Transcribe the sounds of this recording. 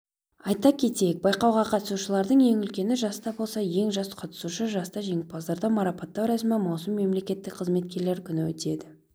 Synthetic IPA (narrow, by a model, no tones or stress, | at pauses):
ɑjt̪ɑkʲʰe̞t̪eek̚bɑjqɑwʁɑqʰɑt̪ə̥suʃəlˠɑɾd̪əɴje̞ŋʏlkʲe̞nɪʒɑst̪ɑbo̞lˠsɑje̞ŋʒɑsqʰɑt̪ə̥suʃəʒɑst̪ɑʒe̞ŋʲɪpɑzd̪ɑɾd̪ɑmɑɾɑpɑt̪ːɑwɾɑsmɑmɑwsəmːe̞mle̞kʲe̞t̪ːɪkʲqʰəzme̞t̪̚kʲe̞ɾle̞ɾkʲʰʏnɪwɵ̰t̪e̞d̪ɪ